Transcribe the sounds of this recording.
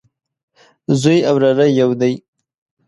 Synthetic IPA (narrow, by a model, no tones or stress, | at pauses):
zujawɾaɾajawd̪aj